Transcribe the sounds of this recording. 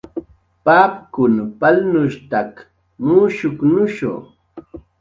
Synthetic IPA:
paːpkʊnpalnʊʃt̪ak | muːʃʊknʊʃo̰

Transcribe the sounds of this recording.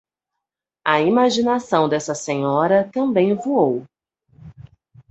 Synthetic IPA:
ɐimaʒinasɐ̃w̃d̪ɛsɐsẽɲɔɾɐt̪ɐ̃mbẽj̃vuow

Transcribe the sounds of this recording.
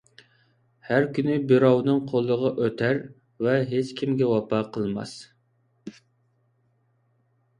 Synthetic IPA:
hæɾkʲynɪbɪɾɑwnɨŋqʰolˠːəʁɑʔøt̪ʰæɾ | vɛɦet͡ʃkʲʰimɡʲɛwɑpʰɑqʰəlˠmɑ̰s

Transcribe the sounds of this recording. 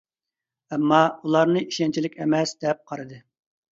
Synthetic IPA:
ɛmːɑulˠɑɾnɨiʃɛnt͡ʃʰilɪkʲɛmɛsd̪ɛp̚qʰɑɾɨd̪ɨ

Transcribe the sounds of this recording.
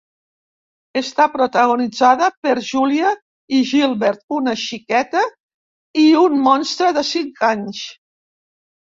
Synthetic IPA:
əst̪apɾut̪əɣunid͡zaðəpəɾʒuliə | iʒilˠβɛɾt̪̚unəʃikɛt̪ə | iunmɔnst̪ɾəðəsiŋkaɲs

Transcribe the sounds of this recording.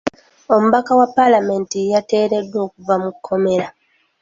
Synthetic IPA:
o̞muβakawapːalame̞ntijate̞ːɾe̞dːo̞ːkuvamukʰːo̞me̞ɾa

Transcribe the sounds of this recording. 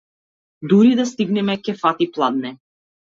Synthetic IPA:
d̪uɾid̪ast̪iɡnɛmɛkɛfat̪iplˠad̪̚nɛ

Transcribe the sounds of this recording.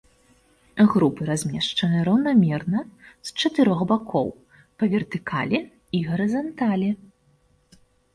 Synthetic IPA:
ɣɾupɨɾazʲmʲɛʂt͡ʂɐnɨɐɾɐwnamʲɛrnɐst͡ʂɐt̪ɨɾɔɣbakʰɔ̰w | pɐvʲɛrt̪ɨkʰa̰lʲɛ | iɣɐɾɨzant̪alʲɛ

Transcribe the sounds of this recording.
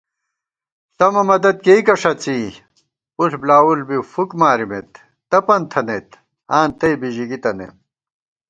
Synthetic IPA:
sɐmɐmɐd̪ɐd̪̚kejkɐʂɐt͡si | uɬblaːulbifukmaːɾimḛt̪ː | ɐpɐnt̪ʰɐnet̪ | aːnt̪ɐjbiʑiɡit̪ɐnḛm

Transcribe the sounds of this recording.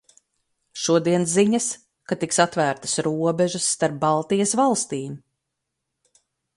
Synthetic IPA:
ʃuɔd̪iɛnsziɲas | kat̪iksat̪væːɾt̪ɐ̥sɾuɔbɛʒɨsːt̪aɾp̚bɑlˠt̪ijɐsvalˠst̪iːm

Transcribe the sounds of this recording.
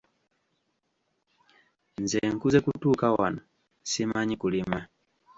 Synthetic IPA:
nzɛŋ̩kuzɛkutukawa̰na | simaɲikulima

